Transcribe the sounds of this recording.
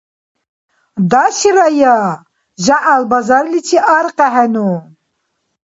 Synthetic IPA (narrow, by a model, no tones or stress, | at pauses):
d̪aʃiɾaja | ʒaʔalbazaɾlit͡ʃʰiʔaɾqʼɛɦɛnu